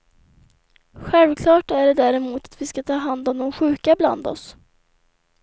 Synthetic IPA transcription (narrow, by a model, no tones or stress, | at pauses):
ɧɛlvkʰlɑːʈæɖɛd̪æɾɛmuːt̪ḁt̪vɪskat̪ʰɑːɦand̪ɔmd̪ɔmɧʉ̟ːkabla̰nd̪ɔ̰s